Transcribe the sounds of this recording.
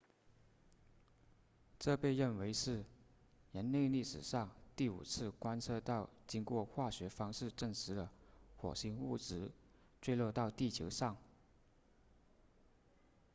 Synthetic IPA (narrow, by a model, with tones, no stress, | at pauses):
ʈ͡ʂɤ˥˧pe˥˧ɪɻə˥˩nwe˧˥ɪʂɻ̩˥˧ | ɻə˧˥nne˥˧ɪli˥˩ʂɻ̩˨˩ʂɑ˥˧ŋt̪i˥˩ṵ˨˩t͡sʰɹ̩˥˩˧kwa˥nt͡sʰɤ˥˧t̪ɑ˥˩ʊt͡ɕi˥ŋkwɔ˥˧xwa˥˩ɕɥɛ˧˥fɑ˥ŋʂɻ̩˥˧ʈ͡ʂə˥˩ŋʂɻ̩˧˥d̪ə˧xwɔ̰˨˩ɕi˧˥ŋṵ˥˩ʈ͡ʂɻ̩˧˥ | t͡swe˥˧ɪlwɔ˥˧t̪ɑ˥˧ʊt̪i˥˩t͡ɕʰjo̰˧˥ʊʂɑ˥˩ŋ